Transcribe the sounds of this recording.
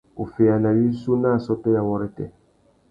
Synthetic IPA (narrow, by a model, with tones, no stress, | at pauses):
o˨fe˨a˨na˨wi˦su˦na˦˨sɔ˦tɔ˦ja˨wɔ˦ɾɛ˦tɛ̰˨